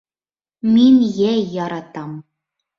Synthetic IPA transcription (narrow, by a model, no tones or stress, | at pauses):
minʲjæjɑɾɑt̪ɑm